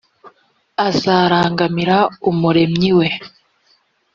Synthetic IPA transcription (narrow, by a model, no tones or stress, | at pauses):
azaːɾaːŋɡamiɾaumuɾe̞mɲiwe̞